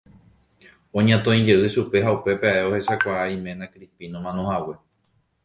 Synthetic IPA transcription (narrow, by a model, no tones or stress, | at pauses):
õɲãt̪õĩd͡ʒe̞ʔɨʃupe̞ɦaupe̞peaʔeohe̞sakʷaaĩmẽnãkɾipinõmãnõhawe̞